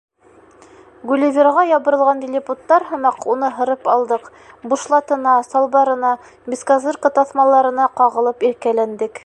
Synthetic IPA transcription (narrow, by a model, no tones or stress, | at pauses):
ɡulʲɪvʲeɾʁɑjɑβɤ̆ɾɤ̆lˠʁɑnd̪ʲɪlʲɪput̪ːɑɾɦɤ̆mɑqunɤɦɤ̆ɾɤpɑlˠd̪ɤq | buʃlˠɑt̪ɤ̆nɑsɑlˠβɑɾɤ̆nɑ | bʲiskazɤrkɑt̪ɑθmɑlˠɑɾɤ̆nɑqɑʁɤ̆lˠɤpiɾkælænd̪ɘk